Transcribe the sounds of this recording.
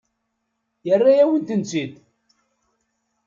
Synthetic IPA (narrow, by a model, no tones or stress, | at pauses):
jərːajæwənt̪ənt͡sid̪